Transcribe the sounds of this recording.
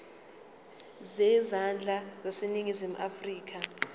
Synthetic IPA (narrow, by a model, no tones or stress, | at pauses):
zɛzand͡ɮʱazaseniŋizimuʔafriːk̬a